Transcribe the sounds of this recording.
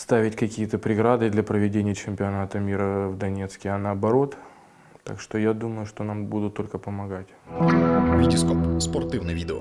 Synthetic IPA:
st̪avʲɪtʲkɐkʲijət̪əpɾʲɪɡɾad̪ɨd̪lʲɐpɾəvʲɪdʲenʲɪjət͡ɕɪmʲpʲɪɐnat̪əmʲiɾəvd̪ɐnʲe̞t̪skʲɪɐnəːbɐɾo̞t̪ | t̪a̰kʂt̪o̞jad̪uməjʊʂt̪o̞nambud̪ʊt̪ːo̞lʲkəpəmɐɡatʲ | vʲidʲɪskopsport̪ivnɨvʲidʲɪo̰

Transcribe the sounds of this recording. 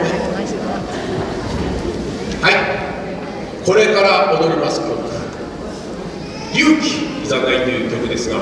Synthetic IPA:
hai | ko̞ɾe̞kaɾaod̪o̞ɾʲimasɨ̥kokɯ̥ | jʲɯːkʲi̥izakait̪ːojɯk̪ʲːokɯ̟d̪e̞sɨɡa

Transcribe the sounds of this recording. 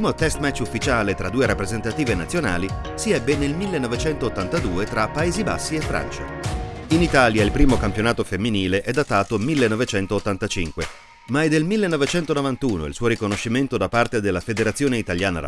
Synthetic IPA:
piːmot̪ɛst̪mɛt͡ʃːufːit͡ʃaːlet̪ɾad̪ːuːeɾapːɾezent̪at̪iːvenat̪sːjona̰ːli | siɛbːenelmilːenːɔvet͡ʃɛnt̪oːt̪ːant̪ad̪uːet̪ɾapːaeːziba̰sːiefːɾa̰nt͡ʃa̰init̪aːljailpɾiːmokampjonaːt̪ofemːiniːleʔɛd̪ːat̪aːt̪omilːenːɔvet͡ʃɛnt̪oːt̪ːant̪at͡ʃiŋkwe | maɛd̪ːelmilːenːɔvet͡ʃɛnt̪onovant̪uːno̰ḭlsuːoɾikonoʃːiment̪od̪apart̪ed̪elːafed̪eɾat̪sːjoːneit̪aljaːna̰ɾ̰

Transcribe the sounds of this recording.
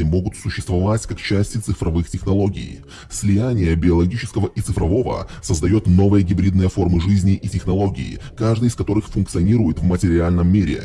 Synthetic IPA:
ɪmo̞ɡʊt̪sʊɕːɪ̥st̪vɐvatʲkakt͡ɕæsʲtʲɪt̪sɨfɾɐvɨxtʲɪxnɐlˠo̞ɡʲɪ̰ː | sʲlʲɪjænʲɪjəbʲɪɐlˠɐɡʲit͡ɕɪ̥skəvəʔit̪sɨfɾɐvo̞və̰səzd̪ɐjo̞t̪no̞vɨjəɡʲɪbɾʲid̪nɨjəfo̞rmɨʐɨzʲnʲɪʔitʲɪxnɐlˠo̞ɡʲɪ̰ːkaʐd̪ɨjɪskɐt̪o̞ɾɨxfʊnk̚t̪sɨɐnʲiɾʊjɪt̪vmətʲɪɾʲɪalʲnəmːʲiɾʲɪ̰

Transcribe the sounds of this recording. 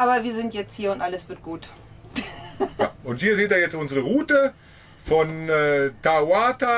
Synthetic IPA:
ʔaːbɐviːɐzɪntjɛt͡sthiːɐʊntʔaləsv̥ɪɐt̚ɡ̥uːt | aʔʊnthiːɐzeːt̚daːjɛt͡stʔʊnzəʁəʁuːtə | fɔnɛːtawaːta

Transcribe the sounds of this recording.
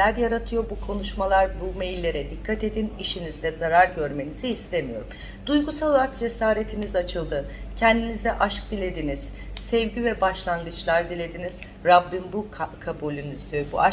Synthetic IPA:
æɾjaɾat̪ʰɯjobukʰo̞nuʃmalˠaɾbumejilʲːe̞ɾɛd̪ikʰːat̪e̞d̪iniʃinizd̪ɛzaɾaɾɟø̞ɾme̞niziɦist̪ʰe̞mijo̞̰ɾum | d̪̥ujɡusalˠoaɾakd͡ʒe̞saːɾe̞t̪ʰinizat͡ʃʰɯlˠd̪ɯcʰɛnd̪inizd̪ɛʔaʃk̚d̪ilʲe̞d̪iniz̥ | sɛvɟivɛbaʃlˠanɡɯt͡ʃlˠaɾd̪ilʲe̞d̪iniz̥ | ɾabːinbukʰabulʲynyz̥d̪ʰybuʔa

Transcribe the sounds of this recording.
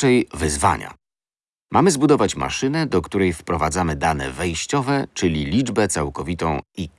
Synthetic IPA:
ɛjvɘzva̰ɲa̰ | mʔamɘzbud̪ɔvat͡ɕma̰ʂɘnɛd̪ɔkt̪uɾɛjfpɾɔvad̪zamɘd̪anɛ̰vɛjɕt͡ɕɔvɛt͡ʂɘlʲilʲid͡ʐbɛt̪sawkɔvʲit̪ɔ̃w̃i

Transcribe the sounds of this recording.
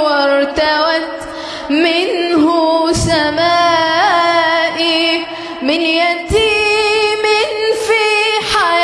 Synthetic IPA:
wɑɾt̪awat̪ | mɪnhʊsamaː | ʔi | mɪnjat̪iːmɪnfiːħaj

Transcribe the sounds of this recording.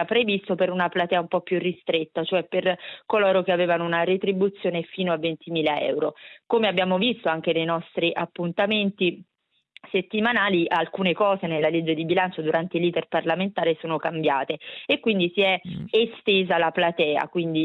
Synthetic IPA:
apɾevist̪opeɾunaplat̪ɛːaumpɔpːjurːist̪ɾet̪ːat͡ʃoɛpːerkoloːɾokeaveːvanounaɾet̪ɾibut̪sːjoːnefiːnoavːent̪imiːlaɛ̰wɾokomeabːjaːmovist̪oaŋk̟enejnɔst̪ɾiʔapːunt̪ament̪i | set̪ːimanaːliʔalkuːnekɔːzenelːaled͡ʒːed̪ibilant͡ʃod̪uɾʔant̪eiliːd̪erparlament̪aːɾesoːnokambjaːt̪eekːwind̪isiɛest̪eːzalaplat̪ɛːa̰kwind̪i

